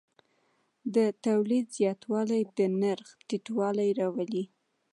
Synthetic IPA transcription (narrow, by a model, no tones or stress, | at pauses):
d̪ət̪awlid̪zjɑt̪wɑlajd̪ənaɾxt̪iʈwɑlajɾɑwali